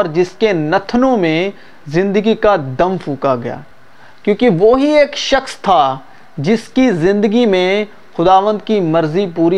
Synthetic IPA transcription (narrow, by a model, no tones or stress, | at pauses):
ɾd͡ʒɪskenɐt̪ʰnõmẽ | zɪ̃nd̪əɡikad̪ɐmfʰuːkaɡɐja̰ː | kjõːkiʋoɦieːkʃɐxst̪ʰa | d͡ʒɪskizɪ̃nd̪əɡimẽ | xʊd̪aːʋə̃nd̪̚kimɐɾzipuːɾi